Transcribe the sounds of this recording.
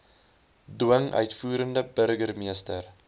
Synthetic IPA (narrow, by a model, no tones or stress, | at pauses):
duəŋʔœ̰ɥtfuːɾəndəbəɾɡərmiəstər